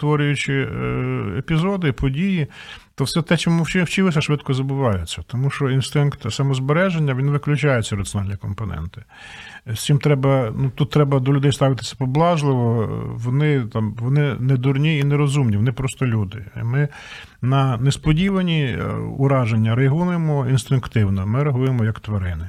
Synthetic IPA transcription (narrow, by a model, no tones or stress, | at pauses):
t̪ʋɔɾʲʊjʊt͡ʃɪ | epʲizɔd̪ɪpʰɔdʲijit̪ɔwsɛt̪ɛt͡ʃɔmuwt͡ʃɪwt͡ʃɪlˠɪsʲɐʃʋɪd̪kɔzɐbʊʋɑjɛt͡sʲːɐt̪ɔmuʃɔinst̪ɪnkt̪sɐmɔzbeɾɛʒenʲːɐʋʲinʋɪklʲʊt͡ʃɑjɛt͡sʲːɐɾɐt̪t͡sʲjɔnɑlʲnʲikɔmpɔnɛ̰nt̪ɪ̥ | sʲt͡sʲimt̪ɾɛbɐnut̪ut̪ːɾɛbɐd̪ɔlʲʊd̪ɛjst̪ɑʋɪt̪ɪ̥sʲɐ̥pɔblˠɑʒlˠɪʋɔʋɔnɪt̪ɑmʋɔnɪned̪urnʲiineɾɔzumnʲiʋɔnɪpɾɔst̪ɔlʲud̪ɪ̰mɪ | nɐnespɔdʲiʋɐnʲiʊɾɑʒenʲːɐɾeɦunɪmɔinst̪ɪnkt̪ɪwnɔmɪɾɐɦujemɔjɐkt̪ʋɐɾɪnɪ